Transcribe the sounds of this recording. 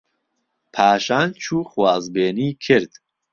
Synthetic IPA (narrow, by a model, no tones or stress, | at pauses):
pʰaːʃaːnt͡ʃʰuːχwaːzbeːniːkʰɨɾd̪̥